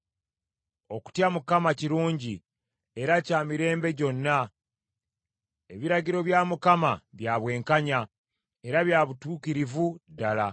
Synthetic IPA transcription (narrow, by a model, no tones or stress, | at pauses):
o̞ku̥tjamukamaciɾuːɲɟi | e̞ɾacaːmiɾe̞ːmbe̞ɟo̞nːa | e̞βiɾaɟiɾo̞βjaːmukamaβjaːβwe̞ːŋkaɲa | e̞ɾaβjaːβutuːkiɾivudala